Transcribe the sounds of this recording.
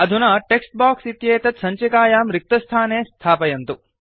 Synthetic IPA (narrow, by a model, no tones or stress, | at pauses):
ɐd̪ʱunaːʈeksʈ̚baːksit̪jeːt̪ɐt̪sɐɲt͡ʃɐkaːjaːmɾik̚t̪ɐst̪ʰaːneːst̪ʰaːpɐjɐnt̪u